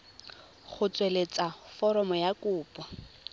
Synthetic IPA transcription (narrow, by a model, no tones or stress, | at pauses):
χʊt͡sʼwelet͡sʼafɔɾɔmɔjakuːpʼɔ